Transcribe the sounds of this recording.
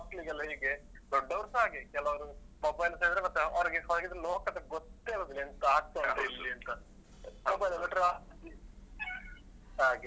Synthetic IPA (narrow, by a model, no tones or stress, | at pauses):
ʈliɡɐlɦiːɡed̪ɔɖːɐʋɐɾsaːɡekɛlɐʋɐɾu | mɐbɐjlɐseːɾid̪ɐɾemɐt̪ːeɐɾɐɡesaːɡid̪ɐɾɐloːkɐd̪ɐɡot̪ːeɐld̪ilːiɐnt̪ɐaːɡ̚t̪ːɐaɐd̪lːiɐnt̪ɐ | pɔbɐjlɐlɐʈɾa | aːɡe